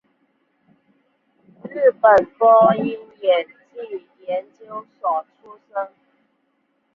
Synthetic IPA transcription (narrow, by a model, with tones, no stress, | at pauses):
ɻ̩˥˩pə˨˩npɔ˥i˥njɛ˨˩nt͡ɕi˥˩jɛ˧˥nt͡ɕjo˥ʊsɔ˨˩ʈ͡ʂʰu˥sə˥ŋ